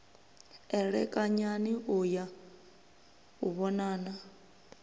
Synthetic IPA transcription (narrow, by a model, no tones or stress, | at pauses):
ɛɺɛkʼaɲaniʔuja | uβɔnaːna